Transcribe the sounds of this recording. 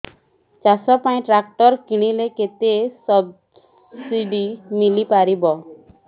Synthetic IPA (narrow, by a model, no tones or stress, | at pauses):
t͡ʃasɔpaĩʈɾak̚ʈɔɾkiɽ̃ileket̪esɔb | siɖimilipaɾibɔ